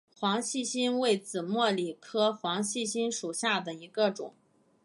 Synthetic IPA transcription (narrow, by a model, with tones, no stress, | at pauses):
xwɑ˧˥ŋɕi˥˧ɕi˥nwe˥˩ɪt͡sɹ̩˨˩mwɔ˥˩li˨˩kʰɤ˥xwɑ˧˥ŋɕi˥˩ɕi˥nʂu˨˩ɕja˥˩d̪ə˩i˧˥ɡə˧ʈ͡ʂʊ̰˨˩˦ŋ